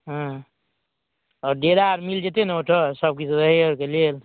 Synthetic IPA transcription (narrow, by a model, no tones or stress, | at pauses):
ɦã | ɔɾɖeɾaɾmild͡ʒet̪eneoʈʰɔsəb̚kit͡ʃʰɾəɦioɾkelel